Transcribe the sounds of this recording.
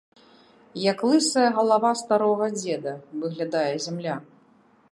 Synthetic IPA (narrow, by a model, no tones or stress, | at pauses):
jaklˠɨsɐjɐɣɐlˠavast̪aɾɔɣɐd͡zʲɛd̪ɐvɨɣlʲad̪ajɛzʲamlʲa